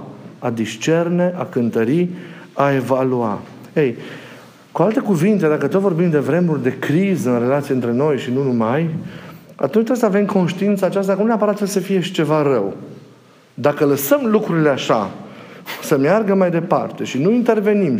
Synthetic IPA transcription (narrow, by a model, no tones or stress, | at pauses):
ad̪ist͡ʃe̞rneʔakɨnt̪əɾiae̞valua̰ | ej | kualt̪e̞kuvint̪e̞d̪akət̪ot̪vo̞rbimd̪e̞vɾe̞murʲd̪e̞kɾizəɨnre̞lat̪sijeɨnt̪ɾe̞no̞jʃinunumaj | a̰t̪unt͡ʃt̪ɾeesəave̞mkʰo̞nʃt̪iint̪səaːt͡ʃast̪akənuneapəɾat̪səsəfije̞ʃi̥t͡ʃe̞vaɾəw | d̪akələsəmlukɾuɾile̞aʃa̰ | səmjarɡəmajd̪e̞pa̰rt̪e̞ʃinuint̪e̞rve̞nim